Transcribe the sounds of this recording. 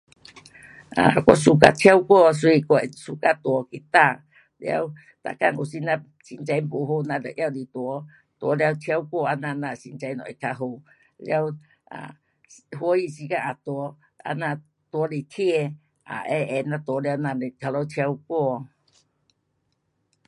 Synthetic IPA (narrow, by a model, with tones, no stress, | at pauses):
a̰˨kʷwɔ̰˧su˨ka̰˧t̪ʰja˦wkwɔ˥˧˨s̬ɔ˧˦i˧kɔ˧˨su˨ka˧t̪wɔ˨˦ki˨t̪a˧˨ | lja̰˧w | t̪a̰˧˨ka˧˨ŋu˨si˧nã˧ | ɕi˨nt͡sa˧jpo˨ɦo˧nã˧lə˨ʔja˧˨li˨˩t̪wɔ˨˦ | t̪wɔ˨˦lja˧wt̪ʰja˧˦wkwɔ˥˧a˧nã˧nã˧˨ɕi˨nt͡sa˧jnɔ̰̃˨i˨kʰa˧ɦo˧˨ | lj̰a˧w | ʔa̰˨ | ɦwɔ˧˦i˧˨si˧˦ka˧ʔa˨t̪wɔ˨˦ | a̰˧nã˧˨ | t̪wɔ˨˦le˨t̪ʰje˥˧˨ | a̰˨ʔɛ˧˦ʔɛ˧˨nã˧t̪wɔ˨˦lja˧wnã˧˨le˨t̪ʰa˧lɔ˧˦t̪ʰja˧wkwɔ˥˧